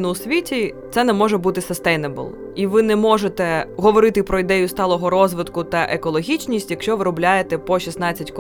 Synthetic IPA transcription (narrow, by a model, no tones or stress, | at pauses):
nʊʊsʲʋʲitʲit̪sɛnɛmɔʒɛbut̪ɪsɪst̪ɛjnɛbɔ̰lˠ | iʋɪnɛmɔʒet̪ɛɦɔʋɔɾɪt̪ɪpɾɔid̪ɛjʊst̪ɑlˠɔɦɔɾɔzʋɪd̪kʊt̪ɐʔekɔlˠɔɦʲit͡ʃʲnʲisʲtʲjɐkʃt͡ʃɔʋɪɾɔblʲajet̪ɛpɔʃʲisnɑt͡sʲːɐtʲk